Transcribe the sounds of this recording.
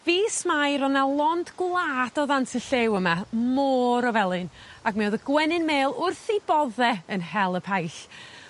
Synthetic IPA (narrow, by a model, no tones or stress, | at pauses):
viːsmajɾɔnalˠɔndɡwlˠaːd̥ɔðantʰəɬewəmamoːɾɔvɛlˠɨnaɡmɛɔðəɡ̥wɛnɨnmeːlˠʊrθibɔðɛənhɛlˠəpʰajɬ